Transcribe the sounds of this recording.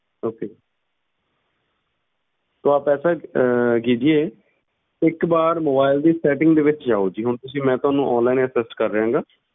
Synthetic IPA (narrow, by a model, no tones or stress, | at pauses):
oːkeː | t̪oaːpɛːsaːkiːd͡ʒieː | ɪkbaːɾmoːbaːɪld̪iːsɛːʈɪ̃ŋɡd̪eːʋɪt͡ʃd͡ʒaːoːd͡ʒiːɦʊɳt̪ʊsĩːmɛ̃ːt̪ʊɦaːnũːʔɔːnlaːɪnəsɪsʈkəɾːəɦãːŋɡaː